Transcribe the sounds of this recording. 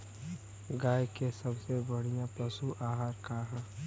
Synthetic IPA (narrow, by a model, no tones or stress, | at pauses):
ɡaːjkesəbsebəɽ̤ijãpəsuʔaːɦaːɾkaɦãː